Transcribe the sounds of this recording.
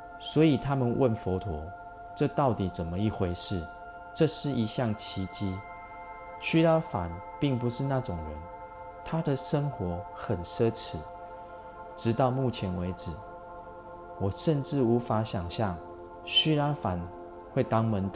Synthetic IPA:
swɔ˧˥i˨˩t̪ʰa˦mə˨nwʔə˥˨nfɔ˧˥t̪ʰwɔ˨˦ | ʈ͡ʂɤ˥˧t̪ɑ˥˩ʊt̪i˨˩t͡sə˨˩nmə˨˦i˥˩xwe˧˥ɪʂɻ̩˥˨ | ʈ͡ʂɤ˥˧ʂɻ̩˥˨ʔi˧˥ɕjɑ˥˨˩ŋt͡ɕʰi˧˥t͡ɕi˥ | ɕy˥la˥fa̰˨˦n | pi˥˩ŋpu˨˦ʂɻ̩˥˧na˥˨ʈ͡ʂʊ˨˩ŋɻə˨˦n | t̪ʰa˦d̪ə˨ʂə˦ŋxwɔ˨˧˥ | xə˨˩nʂɤ˦t͡s̩ʰ˨˩˦ | ʈ͡ʂɻ̩˧˥t̪ɑ˥˧ʊmu˥˩t͡ɕʰjɛ˧˦˥nwe˧ɪʈ͡ʂɻ̩˨˩˦ | wɔ˨˩ʂə˥˧nʈ͡ʂɻ̩˥˩u˧˦˥fa˨˥˦ɕja˨˩ŋɕjɑ˥˨ŋ | ɕy˥la˥˦fa˨˦n | xwe˥˩ɪt̪ɑ˦ŋmə˦nt̪

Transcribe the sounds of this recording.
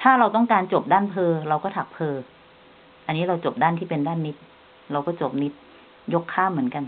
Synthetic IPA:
t̪ʰaː˥˩ɾa˧wt̪ɔ˥˩ŋkaː˧nt͡ɕo˨˩p̚daː˥˩npʰɤː˧ɾa˧wkɔː˥˩t̪ʰa˨˩k̚pʰɤː˧ | ʔa˧nːiː˦˥ɾa˧wt͡ɕo˨˩p̚daː˥˩nt̪ʰiː˥˩pe˧ndaː˥˩nːi˦˥t̪̚ | ɾa˧wkɔː˥˩t͡ɕo˨˩p̚ni˦˥t̪̚ | jo˦˥kʰːaː˥˩mːɯ˩˦ənka˧n

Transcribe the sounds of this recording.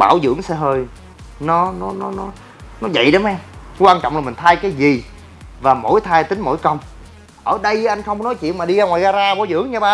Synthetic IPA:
ɓa̰ː˧˩wzɨ̰˧˥əŋsɛ̰˧ɦəː˧j | nɔ˨˦nɔ˨˦nɔ˨˦nɔ˨˦ | nɔ˨˦zə̰˧˨jɗɔ˨˦mɛ˧m | kwaː˧nt͡ɕɔ̰˧˨wŋ͡mna˨˩mi˨˩ŋ̟t̪ʰaː˧jkaː˨˦jzi˨˩ | vaː˨˩mo̰˧˥jt̪ʰaː˧jt̪ï˨˦ŋ̟mo̰˧˥˦jkə˧wŋ͡m | ʔəː˧˩ɗə˧jʔːʔa˧jŋ̟xə˧wŋ͡mkɔ˦nɔ˨˦jt͡ɕwḭ˧˨ənmaː˨˩ɗi˧ɣaː˧ŋwaː˨˩ɣaː˧zaː˧ɓaː˧˦wzɨ̰˧˥əŋɲaː˧ɓaː˧

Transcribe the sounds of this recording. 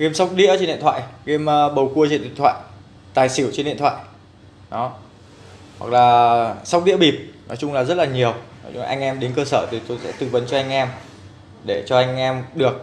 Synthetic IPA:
ɣe˧msa˦˥wk͡p̚ɗḭ˧˥ət͡ɕnɗḭ˧˨t̪ʰwa̰ː˧˨jɣe˧mː˧ɓə˨˩wku˧ət͡ɕe˧˩˨nɗḭ˧˨nt̪ʰa̰ː˧˨j | t̪aː˨˩jsi˧˩wt͡ɕe˧nɗḭ˧ənt̪ʰwa̰ː˧˨j | ɗɔ˨˦ | hwa̰˨˩k̚laː˨˩sa˦˥k͡p̚ɗḭ˧˥əɓi˨˩p̚nɔ˨˦jt͡ɕʊ˧ŋ͡mlaː˨˩zə˦˥t̚laː˨˩ɲi˨˩əwnɔ̰˨˦jt͡ɕŋ͡mʔa˧jŋ̟ʔɛ˧mɗe˨˦nkəː˧səː˧˩t̪ʰi˨˩t̪o˧jsɛ̰˧˥t̪ɨ˨˧˩və˨˦nt͡ɕɔ˧ʔa˧jŋ̟ʔɛ˧m | ɗe˧˩t͡ɕɔ˧ʔa˧jŋ̟ʔɛ˧mɗɨ˨˩ək̚

